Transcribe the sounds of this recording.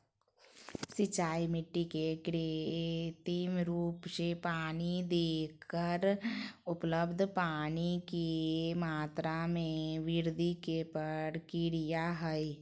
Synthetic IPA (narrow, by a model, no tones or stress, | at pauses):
sɪt͡ʃaːimɪʈːikekɾe | t̪iːmɾuːpsepaːnid̪eːkʰːəɾʊpləbd̪ʱpaːnikemaːt̪ɾamẽʋɪɾd̪ikepəɽkɪɽijaɦəi